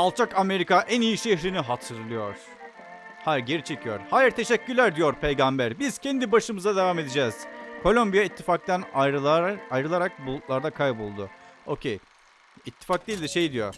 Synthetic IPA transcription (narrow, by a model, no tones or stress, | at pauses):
alˠt͡ʃʰakame̞ɾikaʔænijiʃeçɾiniɦat̪ʰɯɾlˠɯjo̞ɾ̥ | hæɾɟe̞ɾit͡ʃʰe̞cʰijoɾ̥haːjiɾt̪ʰe̞ʃɛcːylʲæɾd̪ijo̞ɾpʰe̞jɡambæɾbiz̥cʰɛnd̪ibaʃɯmɯzad̪evame̞d̪id͡ʒɛːz̥kʰo̞lʲˠo̞mbijait̪ʰːifak̚t̪ʰænaajɾɯlˠaɾak̚bulˠut̪lˠaɾd̪akʰajbulˠd̪ʊo̞cʰej | it̪ʰːi̥fak̚d̪iːlʲd̪iʃejd̪ijo̰ɾ̥